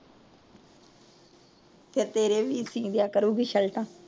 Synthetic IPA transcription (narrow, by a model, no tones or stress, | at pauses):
pʰɪɾt̪eːɾeːʋiːsĩːd̪ɪjaːkəɾuːɡiːʃəlʈãː